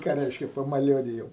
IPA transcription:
kɑː ˈrʲɛɪʃʲkʲɛ pɐmɐˈlʲuɔdʲɪjoːm

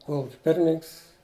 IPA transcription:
ˈkoːlˠʊkʲɛ ˈpʲɪrʲmʲɪnʲɪŋks

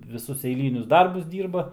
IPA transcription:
ʋʲɪˈsʊs ɛɪˈlʲiːnʲʊs ˈdɐrbʊs ˈdʲiːrbɐ

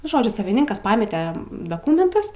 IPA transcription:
ˈnʊ ˈʒoːd͡ʒʲʊ sɐʋʲɪˈnʲɪŋkɐs ˈpɑːmʲɛtʲɛ dɐˈkuːmʲɛntʊs

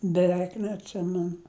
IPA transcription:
bʲɛˈʋʲɛɪk nʲɛɐtʲˈsʲɪmʲɛnʊ

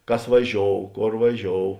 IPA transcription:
ˈkɐs ʋɐˈʒʲoːʊ ˈkoːr ʋɐˈʒʲoːʊ

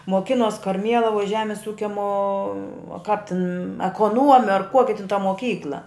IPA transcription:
moːˈkʲɪnoːs kɐrʲˈmʲiɛlˠɐʋʊj ˈʒʲæːmʲɪs ˈuːkʲɛ moː oː kɐp tʲɪn ɛkoːˈnuɔmʲɛ ɐr ˈkuɔkʲɪ tʲɪn tɐ moːˈkʲiːklˠɐ

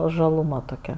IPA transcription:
ʒɐlˠʊˈmɐ toːˈkʲɛ

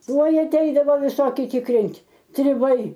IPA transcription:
ˈtuɔj ɐˈtʲɛɪdɐʋoː ʋʲɪˈsoːkʲɪ tʲɪkˈrʲɪnʲtʲ tʲrʲɪˈbɐɪ

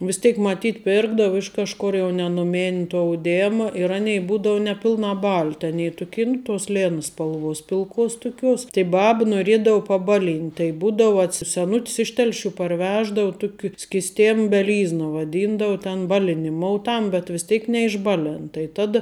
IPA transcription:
ʋʲɪs ˈtʲeːk mɐˈtʲiːt ˈpʲɪrɡdɐʊ ˈɪʃ kɐʃkʊr jɛʊ nʲɛ nʊˈmʲɪnʲ tuɔ ɐʊˈdʲeːmɐ ɪr ˈɑːnʲɛɪ ˈbuːdoːʊ nʲɛˈpʲɪlˠnɑː ˈbɐlʲtʲ ɐˈnʲeː tʊˈkʲeː nʊ toːs ˈlʲeːnɐ spɐlˠˈʋuɔs pʲɪlˠˈkuɔs tʊˈkʲuɔs tɐɪ ˈbɐp noːˈrʲiɛdɐʊ pɐˈbɑːˌlʲiːnʲtʲ tɐɪ ˈbuːdɐʊ ɐtʲˈsʲɪ sʲɛˈnʊts ˈɪʃ ˈtʲɛlʲˌʃʲuː pɐrʲˈʋʲæːʒdɐʊ ˈtʊkʲɪ sʲkʲɪsʲˈtʲɛm bʲɛˈlʲiːznɐ ʋɐˈdʲiːndɐʊ tʲɛn ˈbɑːlʲɪnʲɪˌmoːʊ ˈtɐm bʲɛt ʋʲɪs ˈtʲɛɪk nʲɛɪʒˈbɑːˌlʲɛn tɐɪ ˈtɑːdɐ

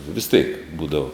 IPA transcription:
ʋʲɪs tʲeːk ˈbuːdɐʋoː

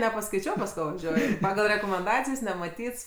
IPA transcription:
nʲɛpɐˈskɐɪt͡ʃʲɛʊ pɐs ˈkoː ʋɐˈʒʲuɔjʊ ˈpɑːɡɐlˠ rʲɛkoːmʲɛnˈdɑːt͡sʲɪjs nʲɛmɐˈtʲiːts

